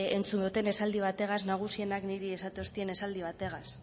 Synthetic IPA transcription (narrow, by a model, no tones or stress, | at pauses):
e̞nt͡sund̪ut̪e̞ne̞sald̪iβ̞at̪e̞ɣaznaɣ̞usie̞nakniɾie̞sat̪eost̪ie̞ne̞sald̪iβ̞at̪e̞ɣas